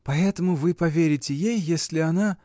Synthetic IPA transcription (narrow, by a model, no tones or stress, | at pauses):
pɐɛt̪əmʊvɨpɐvʲeɾʲɪtʲɪjejːesʲlʲɪɐna